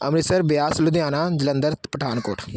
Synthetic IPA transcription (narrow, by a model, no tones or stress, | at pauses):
ə̰mɾɪsəɾbɪjaːslʊd̪ɪjaːnaːd͡ʒɪlə̃nd̪əɾt̪pəʈʰaːnko̰ːʈ